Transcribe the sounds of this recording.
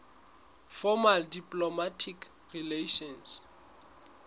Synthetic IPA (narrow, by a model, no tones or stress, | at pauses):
fɔmaldipʼlɔmatʰik | rileʃɔns